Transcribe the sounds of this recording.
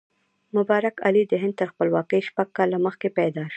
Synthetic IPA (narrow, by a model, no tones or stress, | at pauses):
mʊbɑɾaka̰lid̪əɦɪnd̪̚t̪əɾxpəlwɑkəjʃpaɡ̚kɑlːaməxkepɛd̪ɑʃ